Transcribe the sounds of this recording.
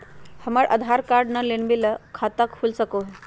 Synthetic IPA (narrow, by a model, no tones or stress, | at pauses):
həmaɭʔə̰d̪ʱaɾkaɾɖnəlenbiləkʰat̪əkfulsəkoɦ